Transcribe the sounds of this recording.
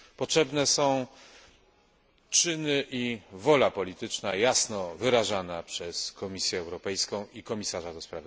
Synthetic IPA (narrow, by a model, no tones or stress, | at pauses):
pɔtʂɛbnɛsɔ̃w̃ | t͡ʂɘnɘʔivɔlapɔlʲit̪ɘt͡ʂnajasnɔvɘɾaʐanapʂɛskɔmʲisʲjɛːwɾɔpɛjskɔ̃w̃ikɔmʲisaʐad̪ɔspɾav